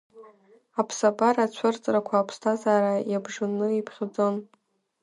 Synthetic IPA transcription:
apʰsabʼaɾat͡ɕʷʰʊrt͡sʼrakʷʰaːpʰstʰazaːɾajabʐɨnɨipʰχʲd͡zon

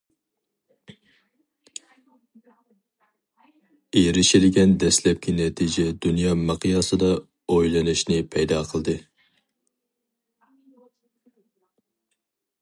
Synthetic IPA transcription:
eɾɪʃilɪɡʲɛnd̪ɛslɛp̚kʲʰinɛt̪ʰid͡ʒɛd̪unjɑːmɑqʰɨjɑsɨd̪ɑ | ojlˠɨnɨʃnɪpʰɛjd̪ɑːqʰəlˠɨd̪ɨ

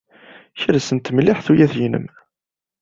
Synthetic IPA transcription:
çɾæsənt̪ːməlːɪħθujæθjinə̰m

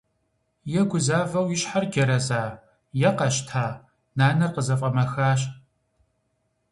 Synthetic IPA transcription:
jɛɡʷʊzaːvɐwjɪɕħarɡʲɐɾɐzaː | jɛqɐɕtʰaː | naːnɐrqəzɐfʼɐmɐxaːɕ

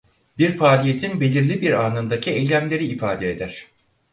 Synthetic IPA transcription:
biɾfaːlʲije̞t̪ʰinbe̞lʲiɾlʲibiɾaːnɯnd̪acʰiejlʲæmlʲe̞ɾiːfaːd̪eed̪æɾ̥

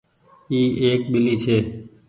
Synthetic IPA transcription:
iːeːk̚ɓɪliːt͡ʃʰeː

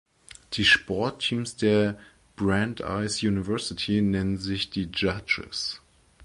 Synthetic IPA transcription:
d̥iːʃpʰɔɐtʰːiːmsd̥eːɐ | b̥ʁanta̰ɪsjunivɛɐsɪtʰinɛnənzɪçd̥iːd͡ʒad͡ʒə̰s

